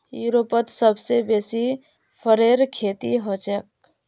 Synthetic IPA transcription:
juːɾopət̪səbsebeːsi | pʰəɾeːɾkʰeːt̪iɦɔt͡ʃək̚

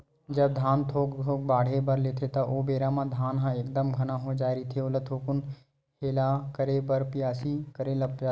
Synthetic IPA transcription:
d͡ʒɐb̚d̪ʱaːnt̪ʰoːkt̪ʰoːk̚baːɽ̤ebɐɾleːt̪ʰet̪ɐʔoːbeːɾamãd̪ʱaːnɦãeːk̚d̪əmɡʱɐnaɦod͡ʒaːɾit̪ʰeʊlət̪ʰoːkʊn | kʰeːlakəɾebɐɾpɪjaːsikəɾelɐp̚d͡ʒaː

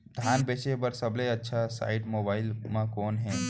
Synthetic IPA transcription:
d̪ʱaːnbeːʃebəɾsəbleətːʃʰasa̰ːɪʈmoːbaːɪlmãkoːnɦɛ̃ː

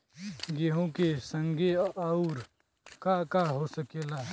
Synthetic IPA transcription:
ɡeɦõkesə̃ŋɡʱeaʊɾ | kakaɦosəkelaː

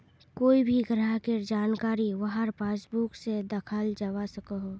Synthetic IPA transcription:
koːibʱiɡəɾakeɾd͡ʒaːnkaːɾiʋəɦəɾpaːsbuksed̪əkʰald͡ʒawasəkəɦo

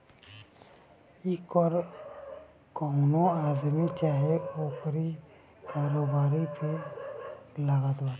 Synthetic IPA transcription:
ikɔɾ | kɔʊnoad̪mit͡ʃaːɦɛokəɾi | kaːɾobaːɾipʰe | laɡat̪baːɾ

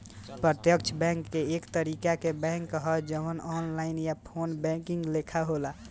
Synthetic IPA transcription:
pɾət̪jək̚t͡ʃʰəbɛ̃ŋkːeekt̪əɾikakebɛ̃ŋkːəɦəd͡ʒəmənɔnlaɪnjapʰonbɛ̃ŋkiŋɡlekʰaɦola

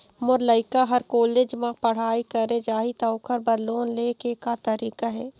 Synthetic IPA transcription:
mʊɾləɪkaɦɐɾkoːleːd͡ʒmãpɐɽ̤aːikɐɾed͡ʒaːɦit̪ɐʊkʰəɾbəɾloːnleːkekat̪ɐɾiːkaɦɛː

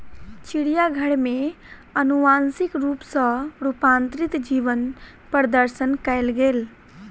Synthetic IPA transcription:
t͡ʃiɽijaɡʱəɽmeənuʋansikɾupsə̃ɾupant̪ɾit̪d͡ʒiʋən | pəɾd̪əɾsənkəɪlɡel

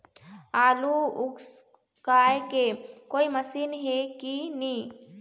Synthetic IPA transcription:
aːluʊks | kaːjkekoːimɐsiːnɦekini

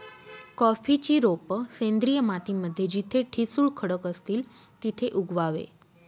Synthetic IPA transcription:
kɔfit͡ɕiːɾopəsẽnd̪ɾijəmat̪iməd̪ʱːjed͡ʑit̪ʰeʈʰisuːɭkʰəɽəkəst̪iːl | t̪it̪ʰeʔuɡʋaʋḛ

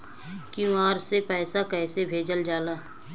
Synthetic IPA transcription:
kjũaːɾsepɛːsakɛːsebʱeːd͡ʒəld͡ʒaːlaː

